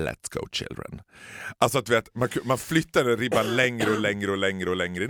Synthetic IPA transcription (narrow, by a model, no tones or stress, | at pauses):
lɛ̰t̪sɡ̥o̰ʊt͡ʃɪ̰ld̪ɾə̰nʔalsɔat̪̚d̪ɵveːt̪mankʰmanflʏt̪ːad̪əɾɪbanlɛŋɾəɔlɛŋɾəɔlɛŋɾəɔlɛŋɾə